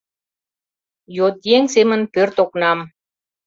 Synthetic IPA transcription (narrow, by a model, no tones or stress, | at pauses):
jot̪jeŋsemə̆npɘrt̪oknɑm